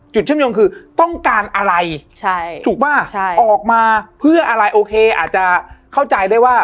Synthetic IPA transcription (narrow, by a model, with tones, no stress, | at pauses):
t͡ɕu˨˩t̪̚t͡ɕʰjoː˧nkʰɯː˧t̪ɔ˥˩ŋkaː˧nʔa˧ɾa˧jt͡ɕʰa˥˩uː˨˩k̚maː˥˩˥ʔɔː˨˩k̚maː˧pʰɯ˥˩ɐʔa˧ɾa˧jʔoː˧kʰeː˧ʔa̰ː˨˩t̪̚t͡ɕa˨˩kʰa˥˩wt͡ɕa˧jdaː˥˩jwaː˥˩